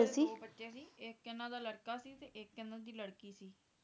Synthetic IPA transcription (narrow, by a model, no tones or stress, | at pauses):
siːbəʈːaːsiːeːkːɛnãːd̪aːləɽkaːsiːt̪eːʔɪkːɛnãːd̪iːləɽkiːsiː